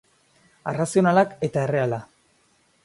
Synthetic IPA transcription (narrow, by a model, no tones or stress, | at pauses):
arasio̞nalake̞t̪ae̞re̞ala